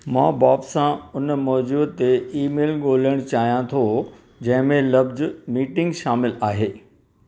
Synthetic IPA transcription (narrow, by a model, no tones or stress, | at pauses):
mãːbaːbsãʊnmɔːd͡ʑubt̪ːeiːmeːlɠoːləɽ̃t͡ɕaːɦijãt̪ʰo | d͡ʑɐ̃ɦɪ̃mẽlɐbzmiːʈɪ̃ŋɡʃaːmɪlaːɦeː